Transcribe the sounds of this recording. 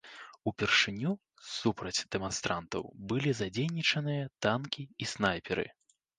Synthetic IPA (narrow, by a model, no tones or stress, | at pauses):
upʲɛrʂɨnʲu | supɾɐd͡zʲd̪̥ɛmanst̪ɾant̪ɐ̰wbɨlʲizad͡zʲejnʲit͡ʂɐnɨjɐt̪ankʲiisnajpʲɛɾɨ̰